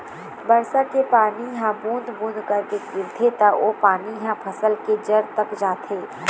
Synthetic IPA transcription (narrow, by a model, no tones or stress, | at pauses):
bɐɾsakepaːniɦãbũːnd̪bũːnd̪kɐɾkekɪːlt̪ʰet̪aʔoːpaːniɦãpʰɐsəlked͡ʒəɾt̪ɐkd͡ʒaːt̪ʰeː